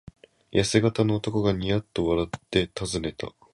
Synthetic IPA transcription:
jasɨɡat̪ano̞ːt̪o̞ko̞ɡaɲ̟ijat̪ːo̞βaɾat̪ːe̞t̪azɨne̞t̪a̰

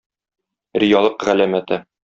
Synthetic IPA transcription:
ɾɪjɑlˠɤqʁælæmæt̪ɘ

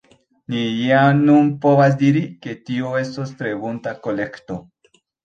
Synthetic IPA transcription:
nijamnunpo̞vas̬diɾike̞tioe̞stostɾe̞buntako̞le̞kto̞

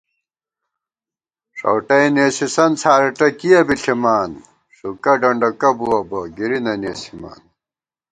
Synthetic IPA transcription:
ʂɐ̰wʈɐjneːsisɐnt͡sʰaːɾɐʈɐkijɐbiɬʰimaːn | ʂukɐɖɐɳɖɐkɐbuwɐbɐɡiɾinɐneːsi̥ma̰ːn

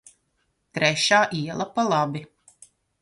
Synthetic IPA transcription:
t̪ɾɛʃaːʔiɛlˠapalˠabi

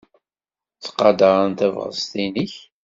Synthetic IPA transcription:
t͡sːqːɑd̪ɑɾˤənt̪ævʁə̰st̪iniç

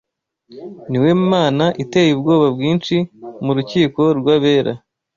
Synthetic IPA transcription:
niwe̞maːnaʔite̞ːjib̚ɡo̞ːβabɡiːnt͡ʃimuɾuciːko̞ɾɡwaβeːɾʔa̰

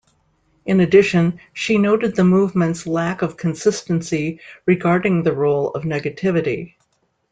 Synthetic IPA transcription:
ɨ̃nɨdɪʃɨ̃nʃinoʊɾɨd̪̚ðɨmuvmɨ̃ntslækʌv̥kʰɨ̃n̩sɪstɨ̃n̩siɹɨɡɑɹɾɪ̃ŋðɨɹoʊlˠʌ̰vnɛɡɨtʰɪvɨɾḭ

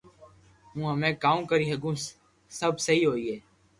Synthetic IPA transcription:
ɦũːɦəmẽːkaːũːkəɾiːɦəɡũː | səbʱsəɦiːɦoːiːeː

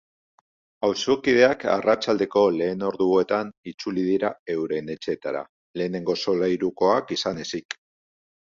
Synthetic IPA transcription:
awsokið̞e̞aka̰rat͡ʃald̪e̞ko̞le̞ːno̞ɾðuoet̪anit͡sulið̞iɾae̞wɾe̞ne̞t͡ʃe̞t̪aɾa̰ | le̞ːne̞ŋɡo̞so̞lajɾuko̞akisane̞sik

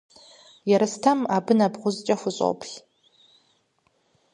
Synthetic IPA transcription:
jaɾastʰamabɨnabʁʷʊzt͡ʃʼaxʷʊɕʷʼo̰wpʰʼɬʲ

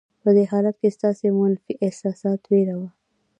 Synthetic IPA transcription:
pəd̪eɦɑlat̪̚kest̪ɑsemʊnfiʔehsɑsɑt̪weɾawa

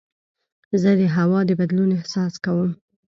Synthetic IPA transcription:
zəd̪əɦawɑd̪əbad̪lunɪhsɑskawəm

